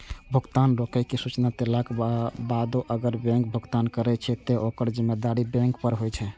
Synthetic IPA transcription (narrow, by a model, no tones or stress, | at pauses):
bʱuɡt̪anɾokɛkesut͡ʃnat̪elakbad̪oʔəɡəɾbɛ̃ŋk̚bʱuɡt̪ankəɾɛt͡ʃʰɛt̪eʔokəɾd͡ʒimːed̪aɾibɛ̃ŋkpəɾɦojt͡ʃʰɛ